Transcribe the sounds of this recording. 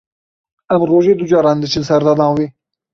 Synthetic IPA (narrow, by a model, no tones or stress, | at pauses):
æmɾoːʒeːd̪ud͡ʒɑːɾɑːnd̪ɨt͡ʃʰɨnsɛɾd̪ɑːd̪ɑ̃ːweː